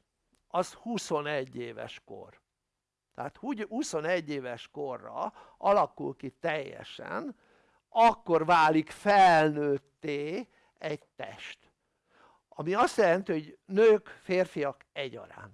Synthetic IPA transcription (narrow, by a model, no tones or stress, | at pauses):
ɒzhuso̞nɛɟːeːvɛ̰ʃko̰r | t̪ɛɦat̪huhuso̞nɛɟːeːvɛʃko̞rːɒ̰ɒlɒkulkit̪ɛjːɛ̰ʃɛ̰n | ɒkːo̞rvaːlikfɛlnøːt̪ːeː | ɛɟt̪ɛ̰ʃt̪ | ɒmiɒst̪jɛlɛnt̪io̞ɟnøːkfeːrfijɒkɛɟɒ̰ɾa̰ːn